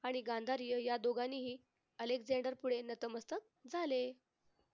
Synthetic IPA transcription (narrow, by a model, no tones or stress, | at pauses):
aɽ̃iɡand̪ʱaɾijəjad̪oɡaniːɦiː | əlekd͡zeɳɖəɾpuɽenət̪əməst̪ək̚d͡zʱale